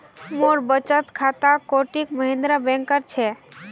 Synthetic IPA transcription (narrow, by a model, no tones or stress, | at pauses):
moɾbət͡ʃət̪kʰat̪akoʈikməɦẽnd̪ɾabɛ̃ŋkəɾt͡ʃʰɛ